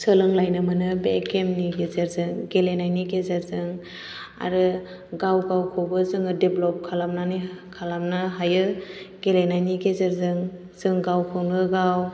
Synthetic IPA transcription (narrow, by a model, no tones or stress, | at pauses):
səlɯŋlajnɯmɯnɯbḛkemniɡezeɾzɯŋɡelenajniɡezaɾzɯŋ | a̰ɾɯ | ɡawɡawkʰɔbɯzɯŋɯdeblɔp̚kʰalamnanikʰalamnɯɦajɯɡ̥elenajniɡezeɾzɯŋ | z̥ɯŋɡawkʰɯwnɯɡaw